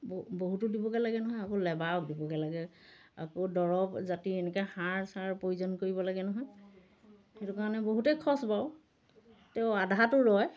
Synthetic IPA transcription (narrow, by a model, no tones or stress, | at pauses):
bboɦutʊdibɔkɛlaɡɛnɔɦɔjakolɛbaɔk̚dibɔkɛlaɡɛ | a̰kodɔɹɔpzatiɛnɛkɛxaɹsaɹpojuzɔnkoɹibɔlaɡɛnɔɦɔj | xetʊkaɹanɛboɦutɛjkʰɔsbaʊ | tɛʊadʱatʊɹɔj